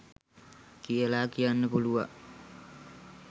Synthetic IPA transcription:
kijəlaːkijanːəpuluʋa̰

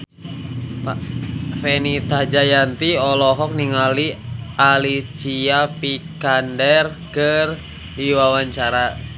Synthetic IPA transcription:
pafɛnit̪ad͡ʒajant̪iɔlɔɦɔk̚niŋaliʔalit͡ʃiapikandɛr | kər | diwawaɲt͡ʃaɾa

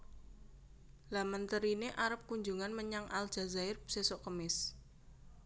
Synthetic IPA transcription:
lamənt̪əɾineʔaɾəp̚kuɲd͡ʒuŋanməɲaŋʔal̥ʒ̥a̤zaɪrsesɔʔkəmɪs

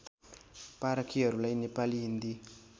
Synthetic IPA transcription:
paɾakʰiʌɾulajnepaliɦind̪i

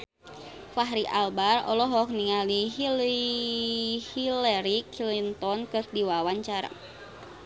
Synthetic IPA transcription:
faɦɾiʔalbarɔ̰lɔɦɔk̚niŋaliɦili | hilɛɾikʰilint̪ɔnkɨrdiwawaɲt͡ʃaɾa̰

